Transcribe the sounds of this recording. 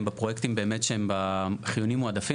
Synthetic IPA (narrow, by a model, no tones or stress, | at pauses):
mbapʁojekt̪imbe̞emetʃehembaχijunimːoad̪afi